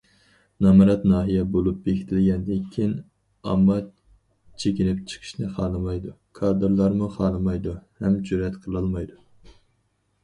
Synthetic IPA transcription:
nɑmɨɾɑt̪nɑːɦijɛbolˠup̚bekʲʰi̥t̪ʰɪlɡʲɛnd̪ɪŋkʲʰin | ɑ̰mːɑ | t͡ʃʰekʲinɪp̚t͡ʃʰə̥qʰə̥ʃnɨχɑːnɨmɑjd̪u | kʰɑd̪ɨɾlˠɑɾmuχɑːnɨmɑjd̪uhɛmd͡ʒyɾɛt̪qʰəlˠɑlˠmɑjd̪u

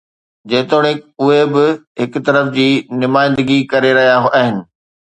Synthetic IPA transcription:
d͡ʑɐ̃ɦɪ̃t̪oːɽeʊɦebɪɦɪkʊt̪ɐɾəfd͡ʑiːnʊmaːɪ̃nd̪əɡikɐɾeɾɐɦijaɦʔaːɦɪnɪ̆

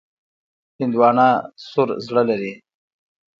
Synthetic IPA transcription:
hɪnd̪wɑːnɑsoɾzɽəlaɾi

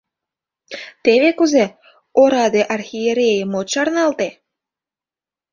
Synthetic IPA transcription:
t̪eβekuze | oɾɑd̪eʔɑrxijeɾʲejəmot͡ɕɑrnɑlt̪e

